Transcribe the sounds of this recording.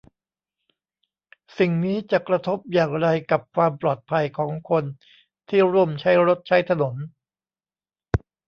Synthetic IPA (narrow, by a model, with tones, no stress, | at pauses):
si˨˩ŋniː˦˥t͡ɕa˨˩kɾa˧t̪ʰo˦˥p̚jaː˨˩ŋɾa˧jka˨˩p̚kʰwaː˧mplɔː˨˩t̪̚pʰa˧jkʰɔː˩˦ŋkʰo˧n | t̪ʰiː˥˩ɾu˥˩əmt͡ɕʰa˦˥jɾo˦˥t̪̚t͡ɕʰa˦˥jt̪ʰa˧no˩˦n